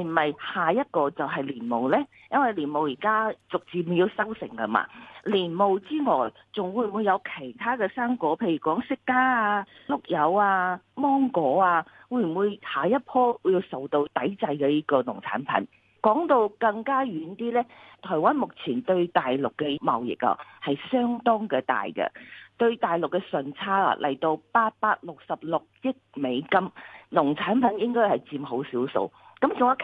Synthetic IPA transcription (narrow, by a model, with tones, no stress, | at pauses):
m̩˨˩mɐ˨jhaː˨jɐ˥t̚kɔː˧t͡sɐ˨˩wɦɐ˨jliː˨˩nmo˨wlɛː˥ | jɐ˥nwɐ˨˩jliː˨˩nmo˨wjiː˨˩kaː˥t͡sʊ˨k̚t͡siː˨˩mu˨˩ji˧wsɐ˥wsɪ̰˨˩ŋkɐ˧ma̰ː˧˥liː˨˩nmo˨wt͡siː˥ŋɔː˨˩j | t͡sʊ˨ŋwuː˨˧jmwuː˨˧jɐ˨˧wkʰe˨˩jt̪ʰaː˥kɛː˧saː˥ŋkɔː˨˧˥pʰe˧jy˨˩kɔː˨˥ŋsɪ˥kːaː˥aː˧lʊ˨k̚jɐ˨˧˥waː˧mɔː˥ŋkɔː˨˥aː˧ | wuː˨˧jm˨˩mwuː˨˧jhaː˨jɐ˥t̚pʰɔː˥˨˧ji˧wsɐ˨˩wt̪o˧wt̪ɐ˨˥jt͡sɐ˧jkɛː˧jiː˥kɔː˧nʊ˨˩ŋt͡sʰa̰ː˨˥npʰɐ̰˨˥n | kɔː˨˥ŋt̪o˧wkɐ˧ŋkaː˥jyː˨˥nt̪iː˥lɛː˥t̪ʰɔː˨˩jwaː˥nmʊ˨k̚t͡sʰiː˨˩nt̪ɵ˧ɥt̪aː˨jlʊ˨kːɛ˧mɐ̰˨wjɪ̰˨k̚ɐ̰˨hɐ˨jsœː˥ŋt̪ɔː˥ŋkɛː˧t̪a̰ː˨jkɛ̰˧t̪ɵ˧ɥt̪aː˨˩jlʊ˨˩kːɛ˧sɵ˨nt͡sʰaː˥ɐ̰˨lʔɐ̰˨˩jt̪o˧wpaː˧t̚paː˧t̚lʊ˨k̚sɐ˨p̚lʊ˨k̚jɪ˥k̚me˨˧jkɐ˥mnʊ˨˩ŋt͡sʰaː˨˥npʰɐ˨˥njɪ˥ŋkɔː˥jhɐ˨˩jt͡siː˧mɦo˨˥wsiː˨˥wso̰˧w | kɐ˨˥mt͡sʊ˨ŋɐ˥kʰ